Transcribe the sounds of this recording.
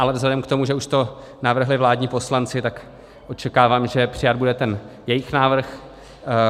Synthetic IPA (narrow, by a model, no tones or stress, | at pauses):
ʔalɛvzɦlɛdɛmkt̪o̞muʒɛuʃt̪o̞ | navr̩ɦlɪvlaːdɲiːpo̞slant͡sɪt̪ak | ʔot͡ʃɛkaːvaːmʒɛpr̝̥ɪjad̪̚budɛt̪ɛnjɛjɪxnaːvr̩x